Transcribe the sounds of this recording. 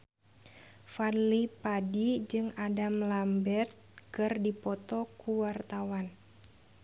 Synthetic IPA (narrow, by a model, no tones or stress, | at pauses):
fadlipadid͡ʒɨŋadamlambɛrt̪̚kɨrdipɔt̪ɔkuwart̪awan